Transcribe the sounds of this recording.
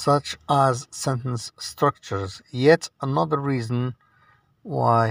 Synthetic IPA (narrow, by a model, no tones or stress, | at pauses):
sʌt͡ʃəzsɛ̃ntə̃nstɹ̥ʌk̚t͡ʃə˞zjɛtənʌðə˞ɹiːzə̃n̩ | wa̰ɪ